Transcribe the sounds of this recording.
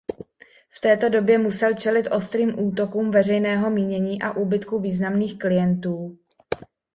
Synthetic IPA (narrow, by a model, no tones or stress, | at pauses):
ft̪ɛːt̪o̞do̞bjɛmusɛlt͡ʃɛlɪt̪ʔo̞st̪ɾiːmʔuːt̪o̞kuːmvɛrɛjnɛːɦo̞miːɲɛɲiːʔaʔuːbɪt̪kuviːznamniːxklɪjɛnt̪uː